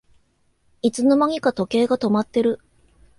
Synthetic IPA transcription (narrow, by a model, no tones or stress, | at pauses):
it͡sɨno̞maŋʲikat̪o̞ke̞ːɡat̪o̞mat̪ːe̞ɾɯ̟